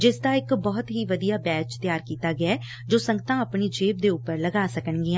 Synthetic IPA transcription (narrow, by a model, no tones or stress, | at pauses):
d͡ʒɪsd̪aːɪkbɔːt̪ɦiːʋəd̪ijaːbɛːt͡ʃt̪ɪjaːɾkiːt̪aːɡɪɛː | d͡ʒoːsə̃ŋɡət̪ãːəpɳiːd͡ʒeːb̚d̪eːʊpəɾləɡaːsəkənɡɪã